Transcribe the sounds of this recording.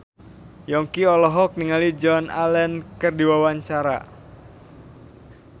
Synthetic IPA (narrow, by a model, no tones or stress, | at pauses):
jɔŋkiɔlɔɦɔk̚niŋalid͡ʒɔna̰lɛnkərdiwawaɲt͡ʃaɾa̰